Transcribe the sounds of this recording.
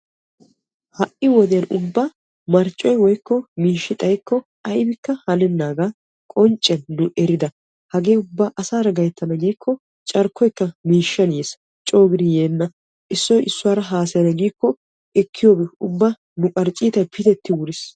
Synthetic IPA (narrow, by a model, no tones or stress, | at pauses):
hɐʔɪwɔd̪ɛjɐnʊbːa | mɐɾt͡ʃʼːɔjwɔjkːɔmiːʃːɪt̪ʼɐjkːɔ | ɐjbɪkːɐhɐlɛnːaːɡaː | kʼɔnt͡ʃʼːɛnːʊʔɛɾɪd̪ɐ | hɐɡeːʊbːaːʔɐsaːɾɐɡɐjɛt̪ːɐnɐɡiːkʰːɔ | t͡ʃʼɐɾkʰːɔjkːɐmiːʃːɐnjeːs | t͡ʃʼo̞ːɡɪd̪ɪjeːnːɐ | ʔɪsːɔjʔɪsːʊwaːɾɐɦaːsɛjnɐɡiːkːɔ | ʔɛkʰːɪjo̞ːbɛʊbːa | nʊkʼɐɾt͡ʃʼiːt̪ɐpʰɪt̪ɛt̪ːɪwʊɾɪs